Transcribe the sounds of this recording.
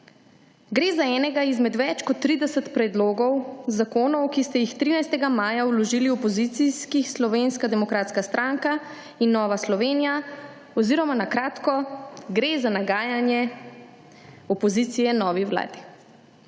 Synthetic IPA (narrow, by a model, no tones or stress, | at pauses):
ɡɾeːzaɛːnɛɡaizmɛd̪ʋɛt͡ʃkɔt̪ːɾid̪ɛsɛt̪pɾɛd̪loːɡɔwzakoːnɔwkist̪ɛjixt̪ɾiːnajst̪ɛɡamaːjawlɔʒiːliɔpɔzit̪siskixslɔʋenskad̪ɛmɔkɾaːt̪skast̪ɾaŋka | inːɔːʋaslɔʋeːnija | ɔziːɾɔmanakɾaːt̪kɔɡɾezanaɡaːjanjɛ | ɔpɔzit̪sijɛnɔːʋiwla̰ːd̪i